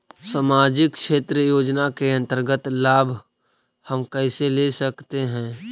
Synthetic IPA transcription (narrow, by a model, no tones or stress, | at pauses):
samaːd͡ʒɪkʃeːt̪ɾəjoːd͡ʒnakeɐ̃nt̪əɾɡət̪laːbʱ | həmkɛɪselesəkt̪eɦɛ̃ː